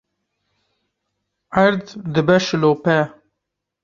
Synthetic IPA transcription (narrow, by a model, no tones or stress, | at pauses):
aɾd̪d̪ɨbɛʃloːpɛ